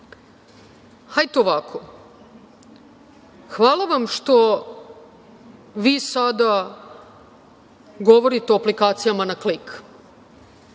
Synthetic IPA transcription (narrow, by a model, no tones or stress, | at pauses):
hajt̪ooʋakʰo | xʋaːlˠaʋamʃt̪o̞ | ʋiːsad̪a | ɡo̞ʋo̞ɾit̪eoaplikaːt̪sijamanaklik